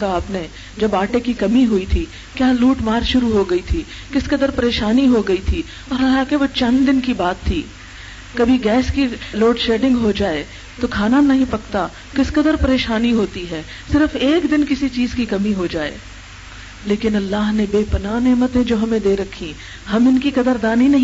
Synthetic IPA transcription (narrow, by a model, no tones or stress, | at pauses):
aaːpne | d͡ʒɐbaːʈekikɐmiɦʊit̪ʰi | kjaːluːʈmaːɾʃʊɾuɦoɡɐit̪ʰiː | kɪskɐd̪əɾpɐɾeːʃaːniɦoɡɐit̪ʰi | ɔːɾɐlːaɦkeʋot͡ʃɐ̃nd̪d̪ɪnkibaːt̪ʰːiː | kɐbʱiɡɛːskiloːɖʃeːɖɪ̃ŋɡɦod͡ʒaːe | t̪okʰaːnanɐɦĩpɐkt̪a | kɪskɐd̪əɾpɐɾeːʃaːniɦoːt̪iɦɛː | sɪɾfeːkd̪ɪnkɪsit͡ʃiːzkikɐmiɦod͡ʒaːḛː | leːkɪnɐlːaːɦnebeːpɐnaːneːmət̪ẽd͡ʒoːɦɐmẽd̪eːɾɐkʰːi | hɐmɪnkikɐd̪əɾd̪aːninɐɦĩ